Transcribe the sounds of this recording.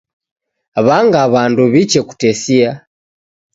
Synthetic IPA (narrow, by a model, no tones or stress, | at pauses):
βaŋɡaβanduβit͡ʃɛku̥tɛsia